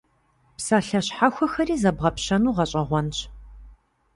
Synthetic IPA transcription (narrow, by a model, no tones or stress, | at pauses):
psaɬɐɕħaxʷɔxɐɾiːzɐbʁɐpɕɐnuːʁɐɕʼɐʁʷɔnɕ